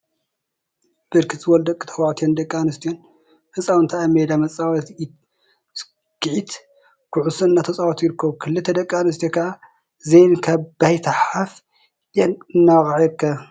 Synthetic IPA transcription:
b̥ɨɾkʰɨt̪ʼzɨwold̪ɐkʼːɨt̪ʰɐwaʕt̪ʰijond̪ɐkʼːanɐst̪ʰijon | hɨt͡sʼawɨnt̪ʰaamed̪amɐt͡sʼːawɐt̪ | s | ɡ̥ɨʕit̪ | kʰuʕusɨnːat̪ʰɐt͡sʼawot̪jiɾɨkʰːɐβukʰɨlːɨt̪ʰːɐd̪ɐkʼːanɨst̪ʰijokʰɐʔa | zejnkʰaβbajt̪ʰɐħaf | jɛnːaxʼʕjiɾkʰːɐ

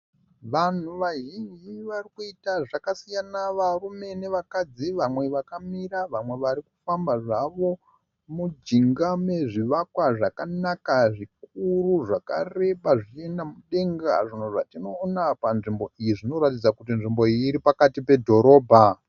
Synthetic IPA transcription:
ʋan̤uʋaɦid͡ʒiʋarikuitaʐakasijanaʋarume̞ne̞ʋakad͡ziʋamwe̞ʋakamiraʋamwe̞ʋaɾikufambaʐaʋo̞ | mud͡ʒiŋɡame̞ʐiʋakwaʐakanakaʐik̚uruʐaka̰re̞ɓaʐit͡ʃendamuɗe̞ŋɡa̰ʐin̤uʐa̰tino̞ːnapanʐimbo̞ijiʐino̞ɾatid͡zakutinʐimbo̞iːɾipakatipe̞dʱo̞ɾo̞ːbʱa

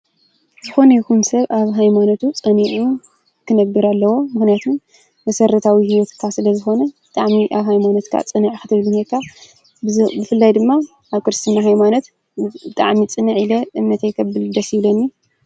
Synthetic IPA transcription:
zɨxo̞nɐjkumsɐβʔaβɦajmanot̪ʰut͡sʼɨniʕu | kʰɨnɐbːiɾalːɐwo̞mɨxnijat̪ʰun | mɐsɐɾɐt̪ʰawihiwɔt̪kʰasɨlɐzɨxo̞nɐbɨt̪ʼaʕmiʔaβɦajmanot̪kʰa̰t͡sʼɨnɨʕxɨt̪ʰɨβɨlnhekʰːa | bɨfɨlːajd̪ɨmːa | aβkɨɾɨst̪ʰɨnaɦajmanot̪ | bɨt̪ʼa̰ʕmit͡sʼɨnɨʕilɐʔɨmnɐt̪ʰajkʰɐbːɨlɨd̪ɐsiβlonːi

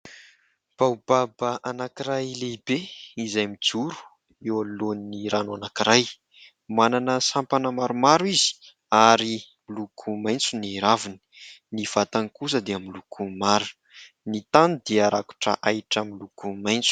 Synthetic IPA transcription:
b̥awbabəʔanakiɾajlebeizajmid͡zuɾu̥ | ewaloniniɾanuanakiɾaj | mananəsampanəmaɾumaɾuizi̥ | aɾi | milukʰumajnt͡suniɾavini̥niv̥at̪ankus̬əd̪eamilukʰumaɾu | nit̪anid̪̥eaɾʔaku̥ʈ͡ʂə̰ʔajʈ͡ʂamilukumajnt͡su̥

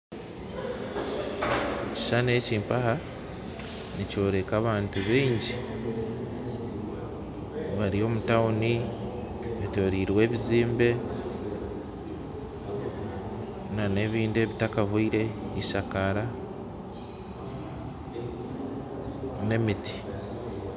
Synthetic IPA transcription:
ci̥ʃane̞ːciːmpaha | nico̞ːɾe̞kaːβaːntuβiːɲɟi | βaɾio̞ːmutauni | βito̞ɾiːɾwe̞ːβiziːmbe̞ | nane̞ːβiːnde̞ːβitakaɦwuiɾe̞iʃakaɾa | ne̞miti̥

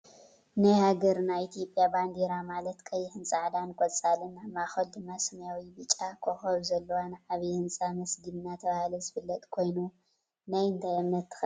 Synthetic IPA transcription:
najhaɡɐɾnajit̪ʰijo̞pʼːjaband̪eɾamalɐt̪kʰɐjhɨnt͡sʼaʕd̪ankʼot͡sʼalɨnːamaxɐld̪ɨmːasɐmjawibɨt͡ʃʼakʰoxɐɾuzɐlːɐwanɨʕaβihɨnt͡sʼamɐsɡɨnɨnat̪ʰɐβahlɐzɨfɨlːɐt̪ʼkʰo̞jnu | najɨnt̪ʰajamnɐt̪ʰːɨ̥x

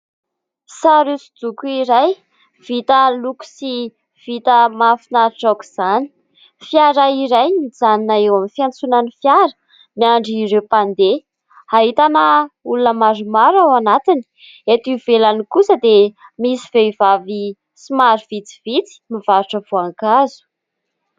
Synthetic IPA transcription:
saɾusud̪ukuiɾaj | v̥it̪əluku̥si | v̥it̪əmafinaɾiʈ͡ʂaku̥z̥ani̥ | fiaɾaiɾajid͡zaninaewamifiant͡sunanifjaɾə̥ | miaɳɖ͡ʐiɾewpand̪e | haɦit̪anəulunəmaɾumaɾawanat̪ini̥ | et̪ivelanikusəd̪emisiveivavi | simaɾuv̥it͡si̥vit͡si̥mivaɾuʈ͡ʂəvoaŋkazu̥

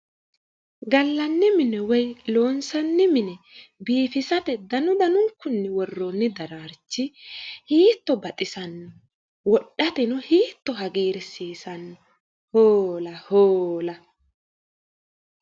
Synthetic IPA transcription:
ɡɐlːɐnːɪmɪnɛwɔjlo̞ːnsɐnːɪmɪnɛ | biːfɪsɐt̪ɛd̪ɐnʊd̪ɐnʊŋkːʊnːɛwɔrːonːɪd̪ɐɾaːɾt͡ʃːɪhiːt̪ːɔbɐt̪ʼɪsɐnːɔ | wɔɗːɐt̪ɛnʊhiːt̪ːɔɦɐɡiːɾɛsiːsɐnːɔ | hoːlɐhoːlɐ

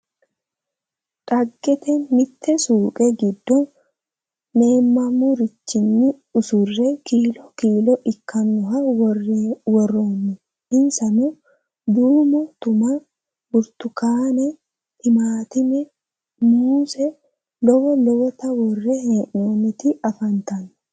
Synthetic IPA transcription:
ᶑʼɐɡːɛt̪ɛmɪt̪ʰːɛsuːkʼɛɡɪd̪ːɔnː | e̞ːmːɐmʊɾɪt͡ʃːɪnːɪ | ʊsʊrːɛkiːlɔkiːlɔʔɪkʰːɐnːʊɦɐwwɔrːoːnːʊ | ɪnsɐnu | d̪uːmʊt̪ʊma | ɡʊɾt̪ʊkaːnɛ | hɪmaːt̪ɪmɛ | muːsɛ | lɔwɔlɔwɔt̪ɐwɔrːɛheːʔnoːnɪt̪ɪɐfɐnt̪ɐn

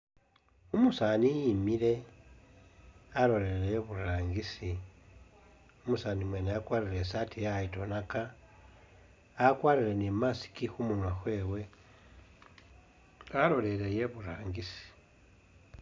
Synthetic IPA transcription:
umusanijimile̞ | alo̞ɾelejeβuɾaːŋɡisi | umusaːnimweneakwaːɾilesatʰijaito̞naka | kwaɾile̞nemasi̥kixumunwaxwe̞ːwe̞ | alo̞le̞le̞je̞βuɾaːŋɡisi̥

